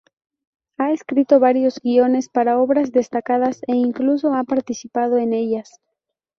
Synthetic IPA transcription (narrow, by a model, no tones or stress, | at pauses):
aeskɾit̪oβaɾjo̞zɡio̞ne̞spaɾaoβɾazðe̞st̪akað̞aseiŋklus̬o̞apaɾt̪isipað̞oene̞ʎas